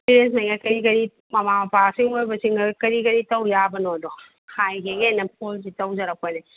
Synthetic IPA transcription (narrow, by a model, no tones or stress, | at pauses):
piɾensmɐjŋɡakɐɾikɐɾi | mɐmamɐpasiŋojbɐsiŋɡɐɡkɐɾikɐɾitɐwjabɐnodɔ | hʰajkeɡenɐp̚ʰols̬itɐwzɐɾɐp̚ojna